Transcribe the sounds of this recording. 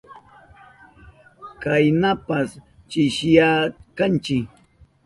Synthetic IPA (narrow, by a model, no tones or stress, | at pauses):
kajnapas | t͡ʃɪʃjakant͡ʃɪk